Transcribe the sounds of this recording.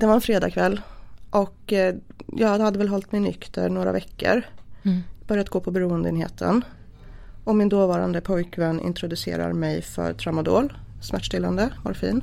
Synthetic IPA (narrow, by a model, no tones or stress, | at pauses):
d̪ɛvaɾɛnfɾeːd̪ɑːkʰvɛlːʔɔk | jɑːhad̪ːəvɛlɦɔlt̪mɪnːʏ̰kt̪ʰəɾɳoːɾa̰vɛkːə̰ɾ | bœɾjat̪̚ɡoːpʰɔbɛɾuːənd̪əeːnhḛːt̪ʰə̰n | ɔmɪnd̪oːvɑːɾa̰nd̪əpʰɔjkvɛnːɪ̰nt̪ʰɾʊd̪ɵsḛːɾa̰ɾmɛjfœ̰ɾt̪ʰɾamʊd̪o̰ːl | smæʈːʂʈ̪ɪlːand̪əva̰ɾfḭːn